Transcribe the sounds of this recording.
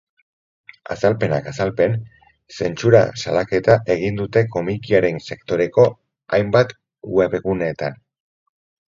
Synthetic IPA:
a̰salpe̞na̰kasalpe̞n | se̞nt͡suɾa̰sa̰lake̞t̪aʔe̞ɣ̞ind̪ut̪e̞ko̞mikiaɾe̞nse̞kt̪o̞ɾe̞ko̞ | ajmbat̪ | we̞βeɣune̞t̪an

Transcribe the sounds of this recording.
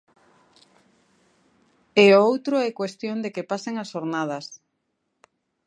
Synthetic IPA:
eoowt̪ɾoɛkwest̪jõnd̪ekepaseŋasoɾnað̞ɐs

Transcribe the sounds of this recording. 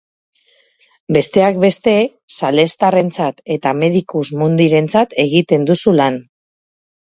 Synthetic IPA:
be̞st̪e̞ak̚be̞st̪e̞ | sale̞st̪are̞nt͡sat̪e̞t̪ame̞ðikuzmund̪iɾe̞nt͡sat̪e̞ɣit̪e̞nd̪usulan

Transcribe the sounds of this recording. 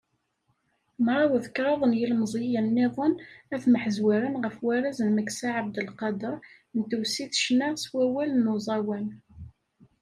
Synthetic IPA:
mɾˤɑwəðkɾˤɑðˤənjilmzˤijənːɪðˤənæθməħəzwæɾənʁəfwæɾæzənməksaʕəb̚d̪əlqɑd̪əɾˤ | nt̪ːəwsiθʃnæʁswæwælnuzˤɑwæn

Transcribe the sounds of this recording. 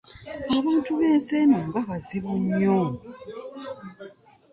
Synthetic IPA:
aβaːntuβeːnseːnoŋɡaβaziβuɲːo

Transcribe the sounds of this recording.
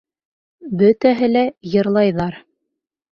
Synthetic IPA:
bɵt̪æɦɘ̆læjɤ̆ɾlˠɑjðɑɾ

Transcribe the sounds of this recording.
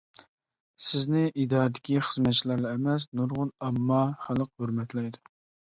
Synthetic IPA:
sɪznɪʔid̪ɑːɾɨd̪ɪkʲiχəzmɛt̪t͡ʃʰilˠɑɾlˠɑɛmɛsnuɾʁʊnɑmːɑχælˠəqhøɾmɛt̪lɛjd̪u

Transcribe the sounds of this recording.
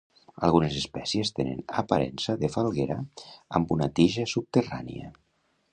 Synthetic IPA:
alˠɣ̞unezespɛsiest̪enə̰na̰paɾɛ̰nsaðefalˠɣeɾaa̰mbunat̪iʒasup̚t̪era̰nḭa̰

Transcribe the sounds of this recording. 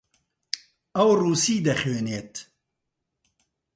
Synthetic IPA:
ɐwruːsiːd̪ɐxeːneːt̪

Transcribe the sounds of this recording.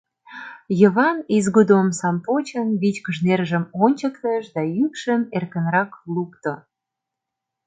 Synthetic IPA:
jəβɑnizɡud̪omsɑmpot͡ɕənβit͡ɕkəʒnerʒəmonʲt͡ɕəkt̪əʃd̪ɑjykʃəmerkənɾɑklukt̪o

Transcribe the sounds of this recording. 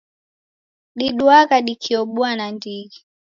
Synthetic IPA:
ɗiɗuakaɗikʰiɔɓuanandiɡi

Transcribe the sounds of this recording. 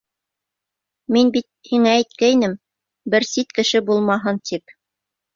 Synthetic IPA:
minbit̪̚hiŋæːjt̪̚kæinɘm | bɘɾsit̪kɘ̆ʃɘbulˠmɑɦɤnt̪ʰip̚

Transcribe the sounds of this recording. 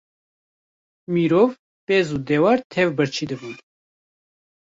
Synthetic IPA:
miɾɔv | pɛzud̪ɛwɑɾt̪ʰɛvbəɾt͡ʃʰid̪əvun

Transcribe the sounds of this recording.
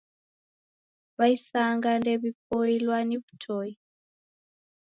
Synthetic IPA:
βaisaŋɡandɛβip̚ɔilwaniβu̥tʰɔi

